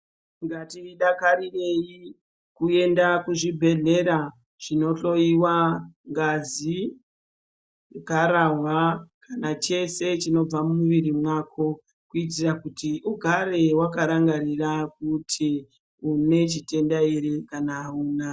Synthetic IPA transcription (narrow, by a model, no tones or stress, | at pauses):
ŋɡatiɗakarire̞ji | kue̞ndakuʐibʱe̞ɮe̞ɾa | ʐ̥ino̞ɬo̞iwaŋɡazi | kaɾaɦwakanat͡ʃe̞se̞t͡ʃino̞b͡vamuʋiɾimwakʰo̞ | kuit̬irakutiʔuɡʱaɾewakaɾaŋɡaɾirak̚utʰi | une̞t͡ʃite̞ndaiɾekanaːuːna